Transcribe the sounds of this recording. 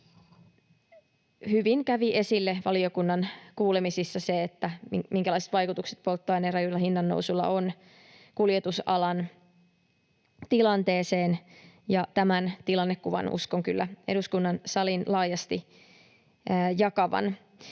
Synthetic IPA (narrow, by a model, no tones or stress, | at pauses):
hyʋiŋkæʋiʔe̞silːeʋɑliokunːɑnkuːlemisisːɑseet̪ːæmimiŋkælɑˑiset̪ʋɑjkut̪ukse̥t̪̚po̞lt̪ːɑːjnerɑjulːɑhinːɑnːo̰usulːɑ̰on | kuljet̪usɑlɑn | t̪ilɑnt̪e̞ːse̞ːnjɑt̪æmænt̪ilɑnːekːuʋɑ̰nṵskoŋkylːæeɾuskunːɑnsɑlinlɑːjɑst̪i | jɑkɑʋɑ̰n